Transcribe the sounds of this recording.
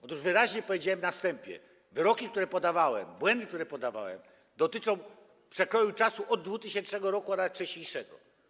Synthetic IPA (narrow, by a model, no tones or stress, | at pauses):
ɔt̪uʐvɘɾaʑɲɛpɔvjed͡ʑawɛmnast̪ɛmpʲjɛ̰ | vɘɾɔkʲik̚t̪uɾɛpɔd̪avawɛ̰mbwɛnd̪ɘkt̪uɾɛpɔd̪ava̰wɛ̰m | d̪ɔt̪ɘt͡ʂɔ̃w̃ | pʂɛkɾɔjut͡ʂasuʔɔd̪̚ːvut̪ɘɕɛnt͡ʂnɛɡɔɾɔkuanat͡ʂɛɕɲejʂɛɡɔ̰